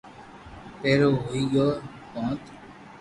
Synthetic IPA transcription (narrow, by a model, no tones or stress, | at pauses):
peːɾoːɦoːiːɡoː | kõːt̪